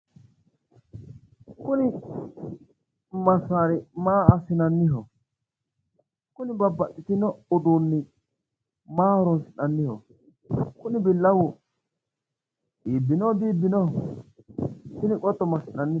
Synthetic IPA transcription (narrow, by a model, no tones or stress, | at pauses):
kʊnɪ | mɐsaːɾɪmaːasɪnɐnːɪɦɔ | kʊnɪbɐbːɐɗɪt̪ɪnɔʊd̪unːɪ | maːhɔɾɔnsɪnɐnːɪhɔ̰ | kʊnɪbɪlːɐwʊ | ʔiːbːɪnɔd̪iːbːɪnɔh | sɪnɪkʼɔt̪ːɔmɐsɪnɐnːɪ